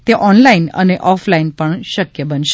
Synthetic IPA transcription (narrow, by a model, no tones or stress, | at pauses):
t̪eʔɔnlainə̰neʔɔflainpəɳʃəkjəbənʃ